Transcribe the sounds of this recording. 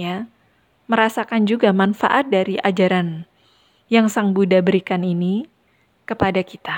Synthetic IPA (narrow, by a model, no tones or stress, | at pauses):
ja | məɾasakand͡ʒuɡamanfa̰ʔat̪̚daɾiʔad͡ʒaɾan | jaŋsaŋbudabəɾikanini | kəpadakit̪a